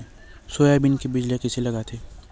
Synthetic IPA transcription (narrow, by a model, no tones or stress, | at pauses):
soːjabɪnkebɪd͡ʒlekɪselɐɡat̪ʰeː